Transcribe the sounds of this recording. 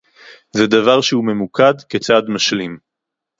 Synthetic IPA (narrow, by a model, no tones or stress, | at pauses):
zɛd̪avaʁʃehume̞mukad̪ket͡saːd̪maʃlim